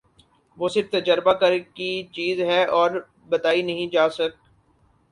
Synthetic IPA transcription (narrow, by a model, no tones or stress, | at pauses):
ʋoːsɪɾft̪ɐd͡ʒəɾbakɐɾkit͡ʃiːzɦɛʔɔːɾ | bɐt̪aːinɐɦĩd͡ʒaːsɐk̚